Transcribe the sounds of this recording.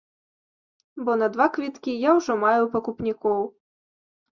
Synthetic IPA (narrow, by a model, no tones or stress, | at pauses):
bɔnɐd̪vakvʲit̪kʲijawʐɔmajupɐkupnʲikɔw